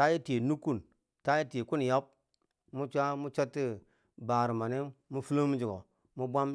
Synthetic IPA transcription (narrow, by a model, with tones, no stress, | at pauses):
ta˦ji˦te˨nu˦kːu˦˨n | ta˦ji˦te˨ku˦n˨ja˦p̚ | mu˦t͡ʃʷa˦mu˦t͡ʃa˦tːi˦ | ba˨ɾi˨ma˨ne˦mu˦fu˦lo˦mu˦d͡ʒi˨ɡo˨ | mu˦bʷa˦m